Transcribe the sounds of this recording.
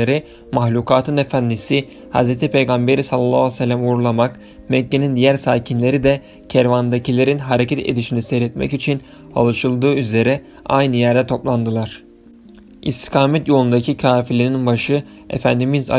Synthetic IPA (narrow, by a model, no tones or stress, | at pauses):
eɾi | maxlʲukʰaːt̪ʰɯnefænd̪isi | ha̰zɾet̪ʰipʰe̞jɡambe̞ɾisallːˠaːsɛlʲːæmuɾulˠamak | mɛcːenind̪ijæɾsaːcʰinlʲe̞ɾid̪ɛ | cʰæɾvand̪acʰilʲe̞ɾinɦaɾecʰɛt̪ʰḛd̪iʃinisɛɾɛt̪mɛ̰cit͡ʃʰin | a̰lˠɯʃɯlˠd̪ɯːyze̞ɾɛ | a̰jnɯjæɾd̪ɛt̪ʰo̞plˠand̪ɯlˠaɾ̥ | ḭst̪ʰi̥kʰaːmɛt̪jo̞lˠund̪acʰicʰaːfilʲininbaʃɯ | ḛfænd̪imiza̰